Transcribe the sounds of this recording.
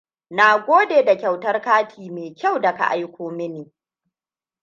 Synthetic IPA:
na˨ɡʷoː˦deː˨da˨kʲa˨wtɐ˦rkaː˦tʰiː˨meː˨kʲa˦˨wda˨ka̰˨ʔa˦jkʷoː˦mɪ˦niː˨

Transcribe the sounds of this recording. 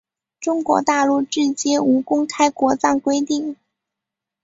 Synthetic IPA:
ʈ͡ʂʊ˥ŋkwɔ̰˧˥t̪a˥˧lu˥˧ʈ͡ʂɻ̩˥˩t͡ɕi˥nu˧˥kʊ˥ŋkʰa˥ɪkwɔ˧˥t͡sɑ˥˩ŋkwe˥ɪt̪i˥˩ŋ

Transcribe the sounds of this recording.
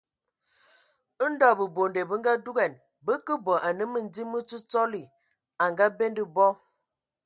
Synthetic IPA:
n̩˦dɔ˦˨bə˨bo˨nde˨bə˦ŋ̩˦ɡa˦du˦ɡɛ˨n | bə˦kə˦bɔ˨ʔa˨nə˦mə˨n̩˦di˦mə˦t͡su˦t͡sɔ˦li˨ | a˨ŋɡa˦be˦ndə˦bɔ˦

